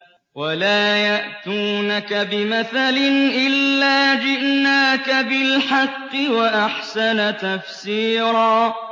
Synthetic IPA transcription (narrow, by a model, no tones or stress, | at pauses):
walaːjaʔt̪uːnakabɪmaθalɪnʔɪlːaːd͡ʒɪʔnaːkabɪlħɑqːɨwaʔaħsanat̪afsiːɾɑː